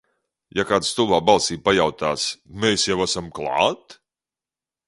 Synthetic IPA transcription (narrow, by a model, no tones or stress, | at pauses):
jakaːd̪st̪ulˠvaːbalˠsiːpajawt̪aːsmeːsjawasamklˠa̰ːt̪